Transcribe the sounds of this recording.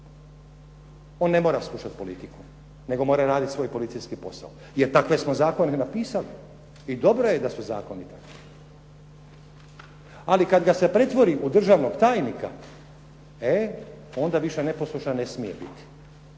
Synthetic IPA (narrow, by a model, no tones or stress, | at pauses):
o̞nːe̞mo̞ːɾaslˠuʃat̪po̞lit̪iku̥ | ne̞ɡo̞mo̞ːɾaɾaːd̪it̪sʋo̞ːjpo̞lit̪sijskipo̞sa̰o | jeɾt̪akʋe̞smozaːkoninapiːsali | id̪o̞bɾo̞jed̪asuza̰ːkonit̪a | alikad̪ɡase̞pɾe̞t̪ʋo̞ɾiʔud̪r̩ʒaːʋnoɡt̪aːjnika̰ | e | o̞nd̪aʋiʃene̞poslˠuʃane̞smijebḭt̪i̥